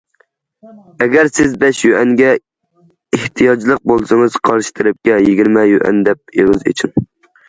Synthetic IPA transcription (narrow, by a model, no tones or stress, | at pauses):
ɛɡʲɛɾsɪzbɛʃjøʔɛŋɡʲɛ | eht̪ʰijɑd͡ʒlˠəq̚bolˠsɨŋɨz̥qʰɑɾʃɪ̥t̪ʰɨɾɪp̚kʲɛjiɡʲiɾmɛjøʔɛ̰nd̪ɛp̚eʁɨzḭt͡ʃʰin